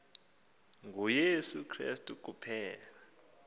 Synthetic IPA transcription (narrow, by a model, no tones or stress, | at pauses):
ŋujesukʰrḭstʼuk̬ʼupʰɛːla